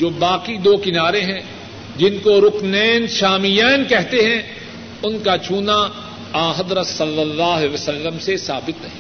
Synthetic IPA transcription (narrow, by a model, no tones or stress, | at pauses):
d͡ʒoːbaːqid̪oːkɪnaːɾeɦɛ̃ | d͡ʒɪnkoɾʊknɛːnʃaːmijɛːnkɛɦt̪eɦɛ̃ | ʊnkat͡ʃʰuːna | ãːɦɐd̪ɾət̪sɐlːəlːaːɦʋəsɐlːəmsesaːbɪt̪ɦɛː